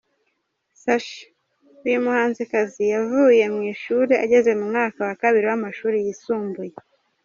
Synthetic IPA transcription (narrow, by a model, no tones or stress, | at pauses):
saʃ | ujumuhaːnzikazijavuːje̞mŋiːʃuːɾeʔaɟe̞zwe̞mumŋaːkawakaβiɾiwamaʃuːɾijisuːmbuje